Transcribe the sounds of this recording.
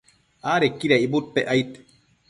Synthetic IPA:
aːɾekːiɾaibut̪̚peʔajt̪

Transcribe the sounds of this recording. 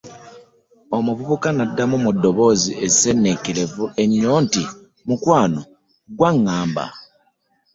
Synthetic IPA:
omuβuβukanadːamumudːo̞βo̞ːziʔezise̞nːekele̞vuʔe̞ɲːo̞ːnti | mukwaːno | ɡwaŋːaːmba̰

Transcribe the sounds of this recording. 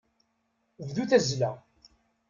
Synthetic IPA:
vðuθæzlæ

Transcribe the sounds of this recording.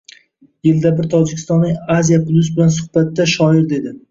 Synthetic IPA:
jɪld̪abɪɾt̪ʰɒd͡ʒɪkʲʰɪ̥st̪ɒnlɪŋazijapʰlʲˠʊs̬bɪlansʊhbat̪ːaʃɒɪɾd̪e̞d̪ɪ

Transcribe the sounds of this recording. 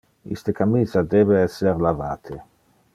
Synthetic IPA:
ḭst̪əkamiːzad̪ebeɛsːeɾlavaːt̪ʰe

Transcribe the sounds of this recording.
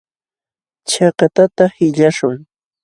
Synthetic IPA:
t͡ʃɑkɑt̪at̪ahɪʎaʃʊŋ

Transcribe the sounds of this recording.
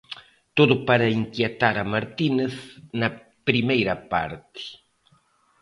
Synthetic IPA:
t̪oðʊpaɾɐiŋkjet̪aɾɐmaɾt̪ineθnɐ | pɾimejɾɐpa̰ɾt̪ɪ̥

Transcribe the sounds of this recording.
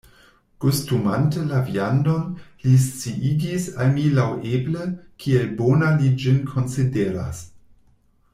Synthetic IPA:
kustumantəlaviandonlis̬t͡siʔid͡ʒisalmilawʔebləkʰielbonalid͡ʒinkʰo̞nsideɾa̰s

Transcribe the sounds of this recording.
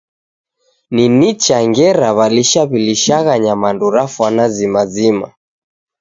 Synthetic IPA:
ninit͡ʃaŋɡɛɾaβaliʃaβiliʃaɣaɲamanduɾafwanazimazima̰

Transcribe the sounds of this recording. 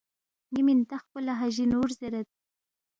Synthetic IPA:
nimint̪axpəlaɦaʒinoːɾzeɾat̪̚

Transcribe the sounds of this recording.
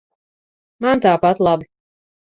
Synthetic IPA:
mant̪aːpat̪lˠab

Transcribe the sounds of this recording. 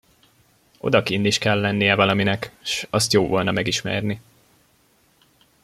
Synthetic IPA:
ʔo̞̰d̪ɒkinːiʃkɛlːɛnːijɛvɒlɒminɛkʃɒst̪joːvolnɒmɛɡiʃmɛ̰rni

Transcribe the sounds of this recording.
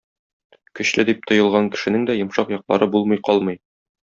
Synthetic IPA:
kɵ̆ɕlɘd̪ip̚t̪ŏjɤ̆lˠʁɑŋkɘ̥̆ʃɘ̆nɘŋd̪æjɤ̆mʃɑqjɒqlˠɑ̰ɾɤbulˠmɤjqɒlˠmɤj

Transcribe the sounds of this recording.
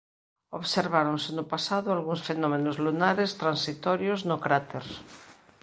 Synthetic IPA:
oβseɾβaɾoŋsenʊpasaðʊalɣuŋsfenɔmenozlunaɾest̪ɾansit̪ɔɾjoznokɾat̪eɾ

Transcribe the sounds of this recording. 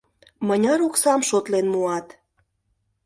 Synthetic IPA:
mənʲɑɾuksɑmʃot̪lenmuɑt̪

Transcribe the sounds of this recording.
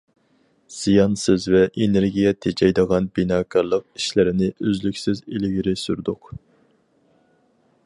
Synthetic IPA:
z̥ijɑnsɨzvɛʔeneɾɡʲijɛt̪ʰed͡ʒɛjd̪əʁɑnbinɑːkʰɑɾlˠəq̚iʃlɪɾɪnɪʔøzlykʲsɪzelɪɡʲiɾɪsyɾd̪ʊq

